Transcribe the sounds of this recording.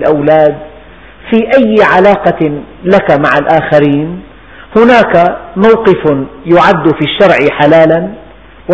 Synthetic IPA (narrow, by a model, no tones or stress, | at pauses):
lʔawlaːd̪̚ | fiːʔajːʕalaːqɑlakamaʕalʔaːxaɾiːn | hʊnaːkamawqɪfjʊʕad̪ːʊfiʃːɑɾˤʕɪħalaːlan | w